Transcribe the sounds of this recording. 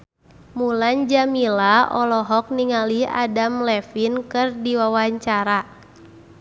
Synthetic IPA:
muland͡ʒamilaɔlɔɦɔk̚niŋalia̰damlɛfinkɨrdiwawaɲt͡ʃaɾa

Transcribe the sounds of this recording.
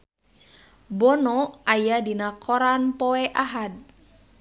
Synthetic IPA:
bɔnɔajadinakʰɔɾanpɔɛʔaɦad̚

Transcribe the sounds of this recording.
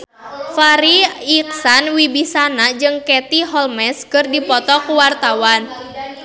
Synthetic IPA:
faɾiik̚sanwibisanad͡ʒɨŋkɛt̪iɦɔlmɛskərdipɔt̪ɔkuwart̪awan

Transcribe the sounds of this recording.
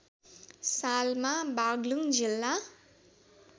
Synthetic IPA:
salmãbaɡluŋd͡ʒilːa

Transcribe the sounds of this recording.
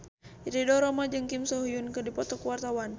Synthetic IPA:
iɾidɔɾɔmad͡ʒɨŋkimsɔɦujunkɨdipɔt̪ɔkuwart̪awan

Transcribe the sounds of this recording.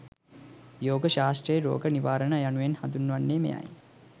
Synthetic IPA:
joːɡəʃaːsʈrəjeɾo̰ːɡəniʋaːɾənajanuʋenhad̪unːʋanːeːmḛja̰j

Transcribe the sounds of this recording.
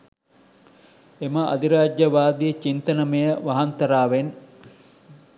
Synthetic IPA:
eməʔɐ̰d̪iɾaːd͡ʒːɐʋaːd̪iet͡ʃint̪ɐnɐmejəʋɐɦɐnt̪ɐɾaːʋen

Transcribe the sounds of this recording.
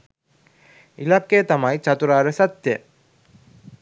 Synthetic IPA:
ilɐkːeːt̪ɐmɐjt͡ɕɐt̪uɾaːɾɐsɐt̪jə

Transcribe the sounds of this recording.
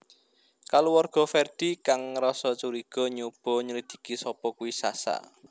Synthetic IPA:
kalowɔrɡ̥ɔ̤fɛrd̪̥i̤kaŋrɔsɔt͡ʃuɾiɡ̥ɔ̤ɲub̥ɔ̤ɲəɾid̪̥i̥̤kisɔpɔkuwisa̰sa̰

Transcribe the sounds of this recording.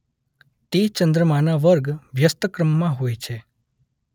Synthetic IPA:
t̪et͡ʃənd̪ɾəmanaʋəɾɡʋjəst̪əkɾəmːãɦoːjt͡ʃʰe

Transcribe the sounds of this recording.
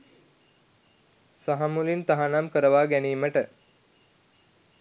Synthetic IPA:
saɦamulint̪aɦanamkəɾəʋaːɡæniːməʈə

